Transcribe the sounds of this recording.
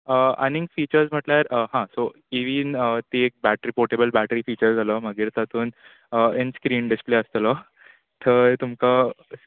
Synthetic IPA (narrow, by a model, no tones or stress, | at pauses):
əa̰niŋɡfiːt͡ɕəɾsm̤əʈljaɾəɦãso | iʋiːnət̪iek̚bæʈɾipoɾʈebəlbæʈɾiːfiːt͡ɕəɾd͡zalɔməɡiːɾt̪at̪uːn | əenskɾiːnɖispleəst̪lɔ | t̪ʰət̪umka